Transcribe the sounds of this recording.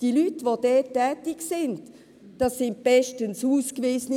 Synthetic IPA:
d̥ilytʋodɛːtːɛːtɪksɪnd | d̥ɑsːɪnt̚b̥ɛʃtənsuːskviːsəni

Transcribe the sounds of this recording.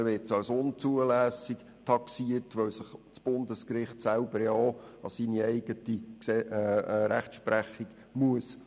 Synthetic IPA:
ɾʋɪtsɑlsʊnt͡suəlæːsik | tʰɑksiərtʋœwsəχt͡sb̥ʊndəskɾɪχtsælb̥əɾjo | ɑ̰siniɛɪɡətiksɛɾæχtʃpɾæχiɡ̥ | muəs

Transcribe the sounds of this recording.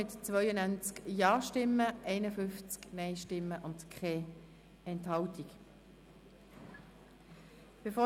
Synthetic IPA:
ɪtt͡svœʏənænt͡skjɑːʃtɪmːəʔɛɪnəfʏnft͡sknɛɪʃtɪmːəʔʊndkʰɛ | ɛnthɑltik | b̥efoː

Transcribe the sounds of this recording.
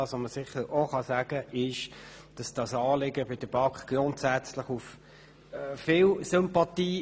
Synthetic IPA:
ɑsoməsɪχəɾoχɑsæɡ̥əʔɪʃd̥ɑsd̥ɑsɑːlɪɡəbɪd̥əb̥ɑkχɡ̥rʊntsæt͡sləχuf | fɪlsʏmpɑtiː

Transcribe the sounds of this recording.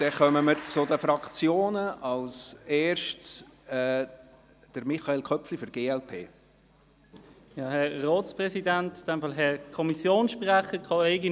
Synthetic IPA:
d̪̥ɛχœməməɾt͡sʊdəfɾɑkt͡sjoːnəɑlseːɾʃtsɛː | d̥əɾmiχɑelkʰœpflifɔɾɡ̥eːɛlpʰḛː | jɑːhɛʁɔːtspʁɛsidæntd̥ɛmfɑlɦɛkʰɔmisjoːnʃpʁaχəkʰɑeɪɡə

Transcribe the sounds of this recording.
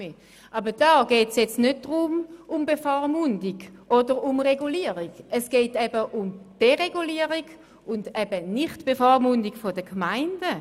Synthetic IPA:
e | ʔabəd̥ɑːɡ̥ɛːtsjɛt͡snød̚d̥ʁʊmʔʊmbefɔʁmʊndiɡʔɔdəʁʊmʁeɡuliəʁiɡəsɡ̥eːtɛbəʔʊmd̥eʁeɡuliəʁiɡ | ʊndɛbəniχtb̥efɔʁmʊndiɡ̥fodəkmaɪndə

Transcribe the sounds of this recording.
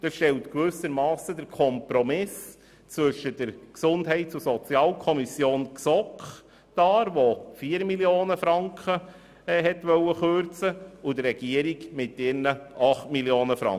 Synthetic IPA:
d̥ɑsʃtɛltkʋʏsəɾmɑːsədəɾkʰɔmpɾɔmɪs | t͡sʋɵʃəd̥əɾksʊnd̥ɦɛɪtt͡susɔt͡sjɑːlkʰɔmisjoːnksɔkχ | d̥ɑːɾʋofiːɾmiljoːnəfɾɑŋkχə | ɦɛtʋœwəχøɾt͡səʊdərːɛɡ̥iəɾiɡmɪtɪɾnəʔɑχtmiljoːnəfɾɑ̰ŋ

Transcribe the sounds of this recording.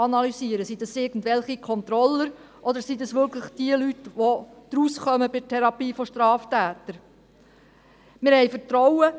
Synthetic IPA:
ɑnɑlysiəɾəsid̥̪ɑsɪːɡən̩dʋɛlχikʰɔnt̪ɾɔlːəɾ | ʔɔd̪əɾsidɑsʋʏkləχd̥iəlytʋɔd̪̥ɾusχœməbɪdtʰɛɾɑpiːfɔʃtɾɑːftæːt̪əɾ | mɪɾhɛjfəɾtɾɔwə

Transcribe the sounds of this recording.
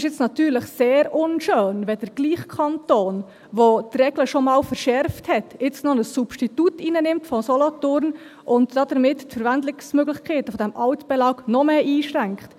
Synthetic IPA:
ɪʃjɪt͡snɑtyːɾləχseːɾʊnʃøːnʋɛd̥əɾɡ̥liːχkʰɑntoːn | ʋot̪rɛɡ̥ləʃomɑːlfəɾʃɛɾfthɛtɪt͡snɔnəsːupʃtitutinənɪmtfɔsɔlɔtʊrn | ʔʊntd̥ɑdəɾmɪttfəɾʋændlɪksmøɡlɪχkʰeːtəfɔdɛmʔɑʊtb̥ɛlɑːknɔmeʔiːʃræŋkχt

